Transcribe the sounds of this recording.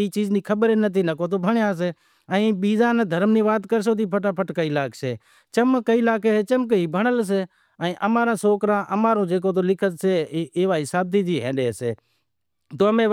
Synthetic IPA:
iːt͡ʃiːd͡ʒniːkʰəbəɾeːnət̪̬ʰiːnəkoːt̪̬oːbʱəɳjãːs̬eː | əĩːɓiːzãːneːd̪ʱəɾmnĩːʋaːt̪kəɾs̬oːt̪̬iːpʰəʈaːpʰəʈkaːiːlaːkseː | t͡ʃəmkəiːlaːkeːeːt͡ʃəmk̬əɦiːbʱəɳəls̬eː | əĩːʔəmaːɾãːsoːkɾãːʔəmaːɾõːd͡ʒeːk̬oːt̪̬oːlɪkʰət̪seːeːʋaːsaːb̚t̪iːd͡ʒ̪iːɦḛ̃ːɗeːsḛː | t̪oːəmẽː

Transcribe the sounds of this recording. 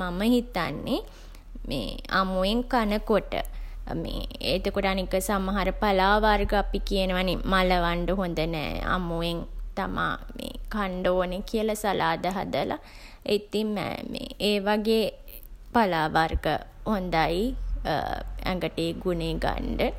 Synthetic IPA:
maməhit̪anːe | mḛːamueŋkanəkoʈə̰mḛːet̪okoʈəanikəsaməɦaɾəpalaːʋarɡəapikiənəʋanimaləʋaɳɖəɦond̪ənɛ̰ːa̰mueŋt̪ama̰ːmḛːkaɳɖoːnekiəlasalaːd̪əɦa̰d̪əla̰ | et̪im̰mḛeːʋaɡeː | palaːʋarɡə̰hond̪aj | ɛ̰ŋɡəʈeːɡuneɡa̰ɳɖə

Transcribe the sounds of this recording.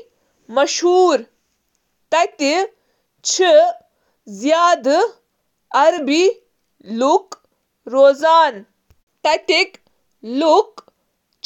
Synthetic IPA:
mɐʃɦuːɾ | t̪ɐt̪i | t͡ʃʰi | zjaːd̪ | ɐɾbi | luk | ɾoːzaːn | t̪ɐt̪ik | luk | t͡ʃ

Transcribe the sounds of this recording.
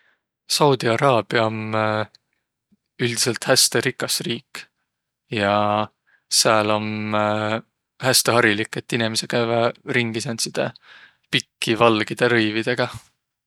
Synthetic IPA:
sɑwd̪̥iɑɾɑːb̥jɑom | yld̪̥i̥selt̪hæst̪eɾikːˑɑsriːkː | jɑ | seɑlo̞m | hæst̪eɦɑɾilikːˑet̪ːinimese̞kævɑɾiŋɡ̥isɑnt̪sid̪̥ḛ | pikːivɑlɡ̥id̪̥eɾɤjvid̪̥e̞ɡ̥ɑ

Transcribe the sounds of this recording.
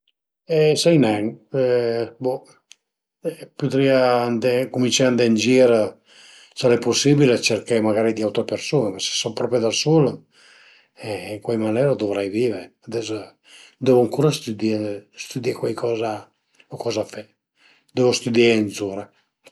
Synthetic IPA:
ɛsɛjnɛŋ | bɔ | pud̪ɾiand̪ekumint͡ʃɛand̪end͡ʒiɾ | saɾɛposibilat͡ʃeɾkamaɡaːɾid̪iawt̪ɾepeɾsuːnemase̥sɔpɾɔpɾjed̪asul | ɛiŋkwajmanɛɾad̪ovɾajviːveɾead̪ɛso | d̪ɛvoaŋkuːɾast̪ud̪ist̪ud̪ɛkwajkʰɔːza | okɔːzafɛ | d̪ɛvost̪ud̪janzuɾa

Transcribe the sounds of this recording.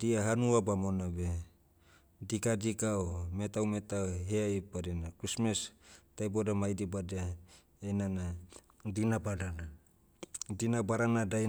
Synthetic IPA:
diaɦanuabamonabe | dikadikaomet̪awmet̪aɦeajpadenakɾismestajbodamajdibadea | enana | dinabaɾana | dinabaɾanadaj

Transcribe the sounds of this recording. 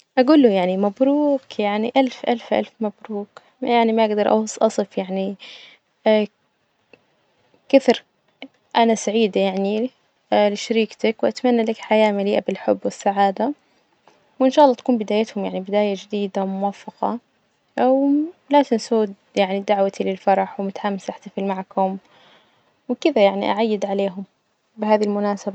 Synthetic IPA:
ʔaɡuːlːʊjaʕnimabɾuːkjaʕniʔalfʔalfʔa̰lfmabɾuːk | jaʕnimaʔaɡd̪ɑɾˤʔɑ̰wsˤʔɑsˤɨfjaʕni | kɪθɾ | ʔanasaʕiːd̪ajaʕni | lɪʃaɾiːkt̪akwʔat̪manːalakħajaːmaliːʔabɪlħʊ̰bːwɪsːaʕaːd̪a | wʔɪnʃaːʔlˤːɑːt̪ḁkuːmbɪd̪aːjat̪hʊmjaʕnibɪd̪aːjad͡ʒɪd̪iːd̪awmʊwafːɑqɑ̰ | wlaːt̪ɪnsuːd̪ | jaʕnid̪aʕwat̪ilɪlfɑɾˤɑħwmʊt̪ḁħaːmːɪsʔaħt̪afɪlmaʕakhʊm | wɪkɪðajaʕnḭʔa̰ʕajːɪd̪ʕaleːɦʊm | bɪɦaːðilmʊnaːsaba

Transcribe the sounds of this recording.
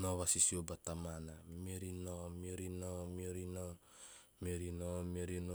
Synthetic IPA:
noβasisiobatamanameɾinomioɾinomioɾino | meɾinomoɾino

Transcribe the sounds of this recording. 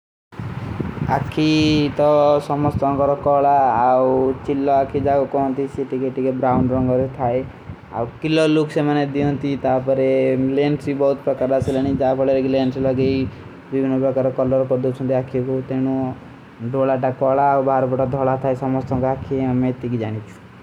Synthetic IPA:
a̰kʰːit̪ɔsɔmɔst̪ɔɔ̃ŋkɔɾɔkɔɭaːwt͡ʃilːɔakʰid͡ʒaɡɔkɔɦɔ̃nt̪iseʈikeʈikebɾawnɖɾɔŋɡɔɾet̪ʰae | a̰wkilɔluksemaned̪iɔ̃nt̪it̪apɔɾelensbibɔɦut̪pɾɔkaɾasiləɽ̃id͡ʒapʰɔɭeɾekilenslɔɡej | bibʱinːɔpɾɔkaɾɔkɔlɔɾkɔɾd̪ut͡ʃʰɔ̃nt̪iakʰibɔut̪eɽ̃u | ɖʱoɭaʈakʋaɭaːwbʱaɾɔbɔʈɔd̪ʱɔɭat̪ʰaesɔmɔst̪ɔŋkɔakʰiamet̪ikid͡ʒaɽ̃it͡ʃʰu̥

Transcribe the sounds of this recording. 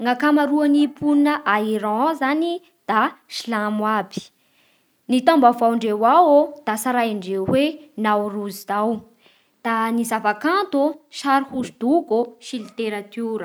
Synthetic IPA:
ŋakamaɾuanipʰunəʔaiɾɑ̃zani | d̪̥aʃlamwabi̥ | nit̪ãmbavawɳɖ͡ʐewawod̪̥asaɾajiɳɖ͡ʐeɦwenawruzid̪aw | d̪̥anizavakãnt̪oʃaɾhuzid̪̥uɡoʃilit̪eɾat̪uɾə

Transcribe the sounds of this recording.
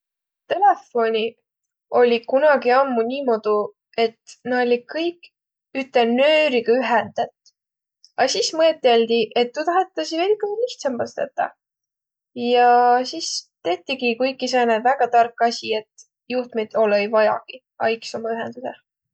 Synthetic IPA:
t̪e̞le̞fo̞nʲi | o̞lʲikunɑɡiɑmːunʲiːmo̞d̪̥u | e̞t̪nɑolʲikɤjk | yt̪ːˑenøːɾiɡ̥ɑyɦend̪̥ɑt̪ | ɑsismɤet̪ːˑeld̪̥iʔe̞t̪ːut̪ɑɦet̪ːˑɑsivelikːusliht̪sɑmbɑst̪ḛt̪ːˑɑ̰ | jɑsist̪e̞t̪ːiɡikujkːˑisened̪væɡ̥ɑt̪ɑrkːˑɑsʲie̞t̪ | juht̪met̪o̞lejvɑjɑ̰ɡ̥i | ɑ̰jkso̞mɑyɦend̪̥use

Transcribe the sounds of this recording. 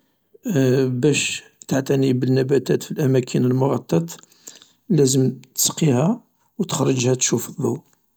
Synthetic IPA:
bæʃ | t̪aʕt̪ænibənːæbæt̪æt̪filʔæmækʰənəlmʊɣɑt̪ˤːɑt̪ˤ | læzəmt̪ə̥sqihæ | wt̪ə̥xɾˤːəd͡ʒhæt̪ʃufəðˤːɑw

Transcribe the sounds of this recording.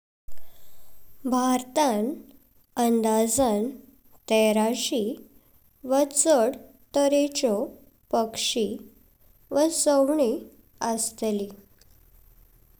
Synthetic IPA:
bʱaɾt̪an | ənd̪ad͡zan | t̪eɾaɕi | ʋət͡səɽ | t̪əɾet͡ɕɔ | pəkʂi | ʋəsəwɳi | əst̪eli

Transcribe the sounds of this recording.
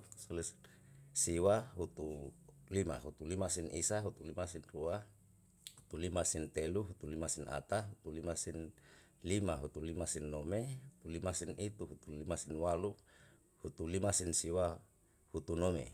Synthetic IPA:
solis | siwaɦut̪ulima̰ɦut̪ulimasinʔisaɦut̪ulimasinrua | hut̪ulimasint̪eluɦut̪ulimasina̰t̪aɦut̪ulimasin | limaɦut̪ulimasinːomeɦut̪ulimasinit̪uɦut̪ulimasinwalu | hut̪ulimasinsiwa | hut̪unomḛ

